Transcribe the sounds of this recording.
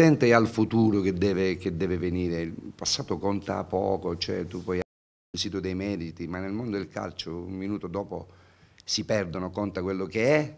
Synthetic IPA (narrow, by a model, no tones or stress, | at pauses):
ɛnt̪ejalfut̪uːɾok̟ed̪ːɛːvek̟ed̪ːɛːveveniːɾeipasːaːt̪okont̪a̰pɔ̰ːkot͡ʃoɛ̰t̪upːɔja | isiːt̪od̪ejmɛɾit̪imanːelmond̪od̪elka̰lt͡ʃoṵmminuːt̪od̪ɔːpo | sipɛrd̪onokont̪akwelːokeɛ